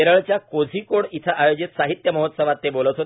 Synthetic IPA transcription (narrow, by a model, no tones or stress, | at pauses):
eɾəɭt͡ɕjakod͡zʱikoɽit̪ʰaʔajod͡ʑit̪saɦit̪jəməɦət̪səʋat̪ːebolət̪ɦot̪